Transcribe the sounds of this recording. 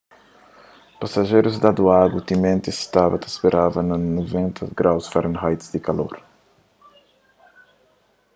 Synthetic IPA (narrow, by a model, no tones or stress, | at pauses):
pasɐʒejɾuzd̪ɐd̪uaɡut̪imẽnt̪ist̪avɐt̪ɐspeɾʔavɐnɐnovẽnt̪ʰɐɡɾawsfaɾɐ̃nɦajt̪ɪ̥zd̪ikalo̰ɾ